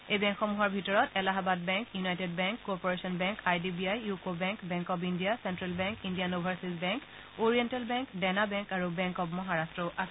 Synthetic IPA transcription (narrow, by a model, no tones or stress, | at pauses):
ejbɛ̃ŋkxɔmuɦɔɹbʱitɔɹɔtɛlaɦabadbɛ̃ŋkjunajted̚bɛŋkːɔɹpɔɹesɔnbɛ̃ŋkajdibiajukobɛ̃ŋkbɛ̃ŋkɔp̬indijasɛntɹalbɛ̃ŋkindijanubʱaɹsizbɛŋk | oɹiɛntalbɛ̃ŋkdɛnabɛ̃ŋkaɹubɛ̃ŋkɔpmɔɦaɹastɹɔʔasɛ